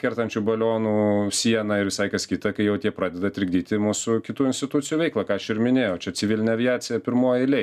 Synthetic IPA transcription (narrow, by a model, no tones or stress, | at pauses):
kʲɛɾt̪ɐnʲt͡ʃʲuːbɐlʲoːnuːsʲiɛnɐɪɾʋʲɪsɐɪkɐskʲiːt̪ɐkɐɪjɛʊt̪ʲiɛpɾɑːd̪ʲɛd̪ɐt̪ʲɾʲɪɡd̪ʲiːt̪ʲɪmuːsʊkʲɪt̪uːɪnʲsʲtʲɪt̪ʊtt͡sʲɪjuːʋʲɛɪklˠɐkɑːɐʃɪɾmʲɪnʲeːjɛʊt͡ʃʲɛt͡ssʲɪʋʲɪlʲɪnʲɛɐʋʲɪɑːt͡ssʲɪjɛpʲɪɾmoːjɪlʲɛ